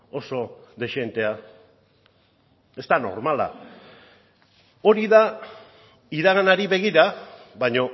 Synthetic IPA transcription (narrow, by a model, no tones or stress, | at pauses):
o̞so̞ðe̞ʃe̞nt̪e̞a | e̞st̪ano̞̰ɾmala̰ | o̞ɾiða | iðaɣanaɾiβe̞ɣiɾa | βaɲo̞